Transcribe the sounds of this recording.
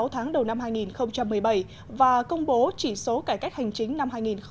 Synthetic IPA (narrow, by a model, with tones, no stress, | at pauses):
wt̪ʰaː˨˦ŋɗə˨˩wna˧mɦaː˧jŋi˨˩nxə˧wŋ͡mt͡ɕa˧mːɨ˨˩əjɓə˧˩j | vaː˨˩kə˧wŋ͡mɓo˨˦t͡ɕi˧˩so˨˦kaː˧˩ka˦˥k̟̚ha˨˩jŋ̟t͡ɕï˨˦ŋ̟na˧mɦaː˧jŋi˨˩nx